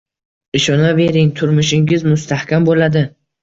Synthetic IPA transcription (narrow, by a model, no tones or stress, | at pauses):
ɪʃɒnave̞ɾɪŋt̪ʰʊɾmʊʃɪŋɪzmʊst̪ʰahkʲambolad̪ɪ